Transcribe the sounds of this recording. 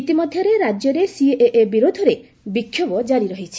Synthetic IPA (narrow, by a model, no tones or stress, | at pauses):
it̪imɔd̪ʱjɔɾeɾad͡ʒjɔɾesieʔeʔebiɾod̪ʱɔɾe | bikʰːjɔbɔd͡ʒaɾiɾɔɦit͡ʃʰi̥